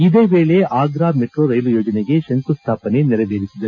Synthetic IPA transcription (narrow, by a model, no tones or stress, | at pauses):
id̪e̞ːʋe̞ːɭeʔaːɡɾaːmeʈɾoɾɐjlujoːd͡ʒɐneɡe̞ʃɐnt̪ust̪ʰaːpɐne̞nɛɾɐʋeːɾisid̪ɐ